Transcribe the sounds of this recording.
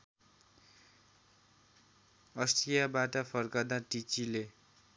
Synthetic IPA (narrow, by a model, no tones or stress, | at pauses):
ʌst̪ijabaʈʌpʰʌrkad̪aʈit͡sile